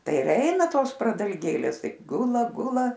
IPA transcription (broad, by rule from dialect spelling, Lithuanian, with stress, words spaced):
ˈtɐɪ ɪr ˈɛɪnɐ ˈtoːs prɐdɐlʲˈɡʲeːlʲeːs ˈtɐɪp ˈɡʊlˠɐ ˈɡʊlˠɐ